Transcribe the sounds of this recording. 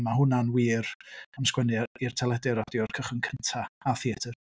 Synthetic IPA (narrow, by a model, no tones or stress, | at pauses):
maɦʊnanwiːramskwɛnɪir̥tʰɛlˠɛdɪɾɔdjɔrkʰəχənkʰəntʰaaθiədɪr